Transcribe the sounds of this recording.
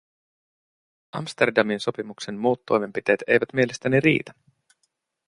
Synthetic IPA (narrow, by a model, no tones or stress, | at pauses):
ʔɑ̰mst̪erdɑminso̞pimukse̞nmuːt̪ːo̞̰jme̞mpit̪eːt̪e̞̰jʋæt̪mie̞lest̪æniɾḭːt̪æ̥